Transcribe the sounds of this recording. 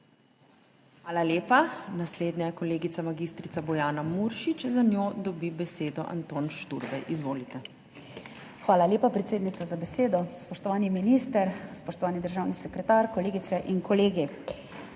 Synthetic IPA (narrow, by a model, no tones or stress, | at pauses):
xʋaːlaleːpanasleːd̪ɲakɔleːɡit̪samaɡist̪ɾit̪sabɔjaːnamuɾʃit͡ʃzanjoːd̪ɔbibɛseːd̪ɔʔa̰nt̪oːnʃt̪uɾbɛjʔizʋoːlit̪ɛ | xʋaːlaljeːpapɾɛt̪seːd̪nit̪sazabɛseːd̪ɔspɔʃt̪ɔʋaːniminist̪əɾspɔʃt̪ɔʋaːnid̪əɾʒaːwnisɛkɾɛt̪aːɾkɔleːɡit̪sɛʔinkɔleːɡi